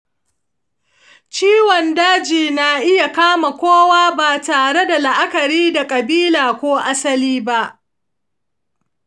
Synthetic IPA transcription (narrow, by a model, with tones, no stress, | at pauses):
t͡ʃiː˦wɔ˨ndaː˦d͡ʒiː˨na˨ʔɪ˦ja˨kaː˦ma˨kʷoː˦waː˦baː˨taː˨ɽe˦da˨la˨ʔa˦kɐ˨ɾiː˦da˨kʼɐ˨biː˦laː˨kʷoː˦ʔa˦sɐ˦liː˦ba˦ʔ